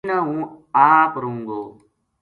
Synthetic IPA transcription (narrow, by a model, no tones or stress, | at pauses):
nãːɦũːaːpɾũːŋɡoː